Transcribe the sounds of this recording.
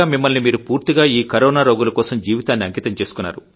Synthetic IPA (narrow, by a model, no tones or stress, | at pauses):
aːmimːɐlnimiːɾupuːɾt̪iɡaːiːkɐɾɔːnaːɾoːɡulɐkɔːsɐmd͡ʒiːʋit̪aːnːiɐŋkiːt̪ɐmt͡ʃe̞ːsu̥kunːa̰ːɾu